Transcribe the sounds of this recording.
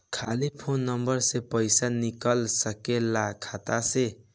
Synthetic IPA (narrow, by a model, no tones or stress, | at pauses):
kʰalipʰonːʌmbʌɾsepəjsanikəlsʌkelakʰat̪ase